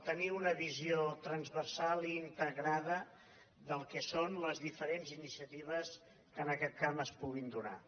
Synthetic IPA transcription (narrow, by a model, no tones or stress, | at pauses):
t̪əniunəβiziot̪ɾənzβərsalˠiːnt̪əɣɾaðə | ðəlˠkɛsonləzðifəɾenzinisiət̪iβ̞əs | kənəkɛt̪̚kaməspuɣind̪una̰